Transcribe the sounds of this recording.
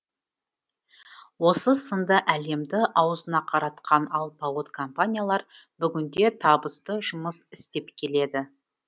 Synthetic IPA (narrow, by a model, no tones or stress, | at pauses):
wo̞səsənd̪əʔæle̞md̪ɪʔɑwzənɑqʰɑɾɑt̪qʰɑnɑlˠpɑwot̪kʰompanʲijalˠɑɾbʏɡʲɪnd̪e̞t̪ʰɑbəst̪əʒʊməsɪ̥st̪e̞pkʲʰe̞le̞d̪ɪ